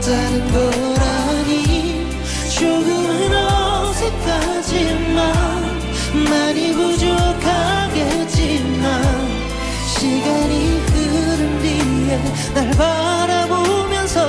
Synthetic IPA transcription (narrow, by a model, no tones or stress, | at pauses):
t͡ɕanɯnɡʌ | ɾa | ɲi | t͡ɕoɡɯ | ɾʌ | sʰek͈a | d͡ʑinmann | maɲiɡod͡ʑokʰaɡe | t͡ɕ͈inman | ɕʰiɡaɲikɯɾɯndije | naɭba | ɾabomjʌnsʰʌ